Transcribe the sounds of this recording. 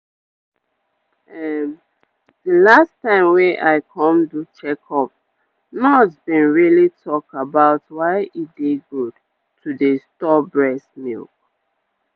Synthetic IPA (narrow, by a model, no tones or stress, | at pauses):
ɛm | dəlastãɪ̃mweʔaɪkʰɔ̃mdut͡ʃɛkʰɔp̚ | nɔtbĩnɹilitʰɔk̚abaʊtwaɪʔit̚deɡud | tʰudəstɔbɹɛsmḭlk̚